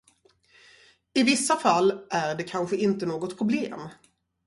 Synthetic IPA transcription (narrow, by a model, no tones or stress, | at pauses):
ɪvɪsːafalːʔæɾɖɛkʰanɧəɪnt̪ənoːɡɔt̪pʰɾʊbleːm